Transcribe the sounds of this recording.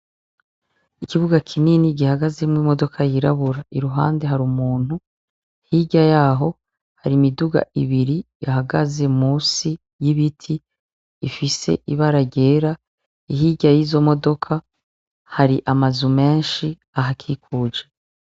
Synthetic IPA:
ikiβuɡakʰininiɡihaɡaze̞mŋimo̞do̞kʰajiɾa̰βuɾaiɾuɦa̰ːnde̞ɦaɾumuːn̥hu | ihiɟajaːɦo̞ | haɾimiduɡa̰ʔiβiɾijaɦaɡaze̞muːsi | jiβitʰiː | fise̞̰ʔiβaɾaɟeːɾa | iɦiːɟajiːzo̞mo̞do̞kʰa | haɾiʔamazume̞ːnʃi | aɦakʰiːkʰud͡ʒe

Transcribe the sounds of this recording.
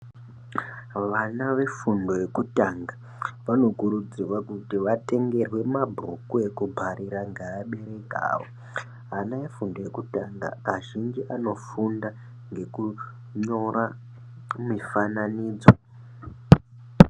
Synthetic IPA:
ʋanaʋe̞fundo̞je̞kutaŋɡa | ʋano̞kuɾud͡zirwakutiʋate̞ŋɡe̞rwe̞mabʱro̰kue̞kubʱaɾiɾaŋɡeːɓe̞ɾe̞ka̰ːwo̰ | ɦanaefundo̞je̞kutaŋɡa̰aʒind͡ʒiʔano̞funda | ŋɡe̞ku | ɲo̞ra | mifananiːd͡zo

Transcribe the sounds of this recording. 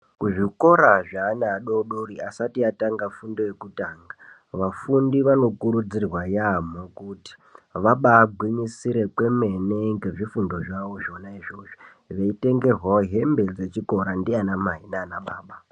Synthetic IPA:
kuʐiko̞ɾaʐaːnaːɗo̞ɗoɾiasatiataŋɡafundo̞je̞kutaːŋɡa | ʋafundiʋano̞kuɾud͡zirwajamokuti̥ʋaɓaːɡʱwiɲisiɾe̞kwe̞me̞neŋɡe̞ʐifundo̞ʐaʋo̞ʒo̞naiʐo̞ːʐi | ʋe̞ite̞ŋɡe̞rwaɦe̞mbe̞d͡ze̞t͡ʃiko̞ɾandianamaɦinaːnaɓaːɓa

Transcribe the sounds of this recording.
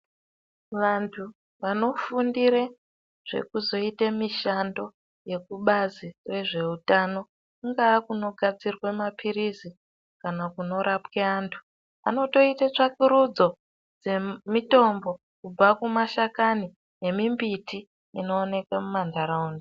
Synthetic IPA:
ʋantʰu | ʋano̞fundiɾe | ʐ̥e̞̰kuzo̞itamiʃando̞ | je̞kuɓazire̞ʐe̞utano̞ | kuŋɡaːkuno̞ɡʱad͡zirwemapʰiɾizi | kanakuno̞ɾapkeaːntʰu̥ | a̰no̞to̞itat͡ʂakuɾud͡zo̞ | d͡zemito̞mbo̞ | kub͡vakumaʃakani | je̞mimbitʰi | ino̞ːne̞kamumandaɾaunde

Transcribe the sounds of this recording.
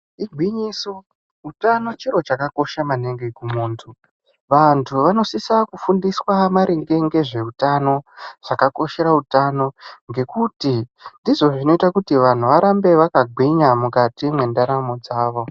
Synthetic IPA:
iɡʱwiɲiso | utano̞t͡ʃiɾo̞t͡ʃakako̞ʃamaneŋɡekumuːntʰu | ʋantʰuʋano̞sisakufundiswamaɾeŋɡe̞ŋɡe̞ʐe̞utano̞ʐ̥akako̞ʃe̞ɾautano̞ŋɡe̞kutindiʐo̞ʐino̞itakutiʋan̤uʋaɾambe̞ʋakaɡʱwiɲamukatimwe̞ndaɾamod͡zaːʋo̞

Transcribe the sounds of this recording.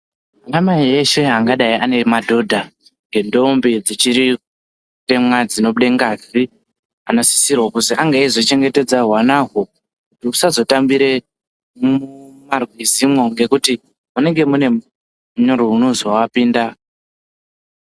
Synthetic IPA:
manamaiɦeʃe̞ɦaŋɡaɗaiʔane̞madʱo̞dʱa | ŋɡe̞ndo̞mbid͡zit͡ʃiɾi | te̞mwad͡zino̞ɓuɗeŋɡazi | ano̞si̥sirwakusiʔaŋɡaizot͡ʃe̞ŋɡe̞te̞d͡zarwanaɦo | kkutiusazo̞tambiɾe̞ | mumarwizimwo̞ŋɡe̞kuti | mune̞ŋɡe̞mune̞ | muɲoɾounozawapiːnda

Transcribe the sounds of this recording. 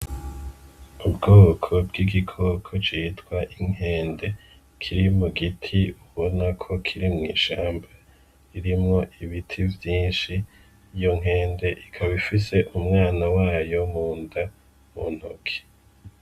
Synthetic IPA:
ubɡoːkʰo̞bɡiɡikʰokʰo̞t͡ʃitɡ̥waʔiŋ̥e̞ːnde̞ | kʰiɾimuɡitʰiuβo̞nakʰo̞kʰiɾimŋḭːʃaːmba | iɾimŋo̞ʔiβitʰivjiːnʃiː | jo̞ŋ̥ɦe̞ːnde̞ʔikʰaβifise̞ʔumŋaːnawaːjo̞muːnda | mun̥hokʰi̥

